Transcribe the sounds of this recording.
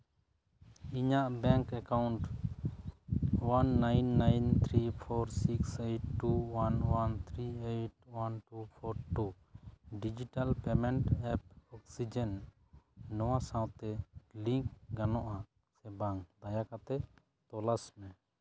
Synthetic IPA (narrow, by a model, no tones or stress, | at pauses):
iɲaʔbɛ̃ŋkɛkawɳʈ | wanːajnːajnt̪ʰɾipʰɔɾsikseʈːuwanwant̪ʰɾieʈ̚wanʈupʰɔɾʈu | ɖid͡ʒiʈalpɛmɛɳʈɛp̚ɔksid͡ʒɛnː | ɔwasãwt̪ɛlĩŋkɡanɔʔa | sɛbaŋd̪ajakat̪ɛ | t̪ɔlasmɛ̃